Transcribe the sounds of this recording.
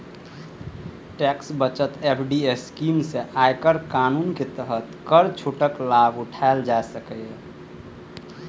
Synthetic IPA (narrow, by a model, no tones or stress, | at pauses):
ʈɛksbət͡ʃət̪epʰɖieskimseʔajkəɾkanunket̪əɦət̪kəɾt͡ʃʰoʈəklabuʈʰaeld͡ʒaesəkəj